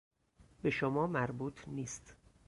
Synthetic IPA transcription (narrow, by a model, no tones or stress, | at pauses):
be̞ʃomɒːmæɾbuːt̪ʰniːst̪